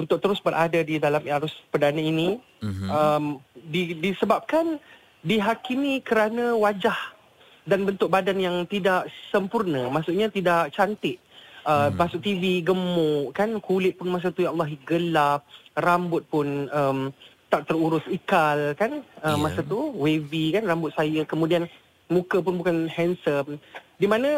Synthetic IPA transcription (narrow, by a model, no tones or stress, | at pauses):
unt̪ʊk̚t̪əɾʊsbəɾʔadadidalamaɾʊspədanaini | əmdidisəbap̚kan | diɦakimikəɾanãwad͡ʒah | danbənt̪ʊk̚badanjaŋt̪idaʔsəmpurnãmasʊʔɲat̪idaʔ̚t͡ʃant̪ɪʔ̚ | əmasʊk̚t̪iviɡəmʊʔkankulɪt̪̚pʊnmas̬at̪ujalːɑɦiɡəlap̚rambʊt̪̚pʊnəmt̪aʔ̚t̪əruɾʊsikalkanəmːasat̪uwevikanrambʊt̪̚sajəkəmũdian | mũkəp̬ʊnbukanhɛnsəmdimãnã